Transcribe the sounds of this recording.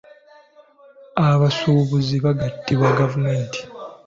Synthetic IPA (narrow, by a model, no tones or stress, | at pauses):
aβasuːβuziβaɡatːiβwaɡavume̞ːnti̥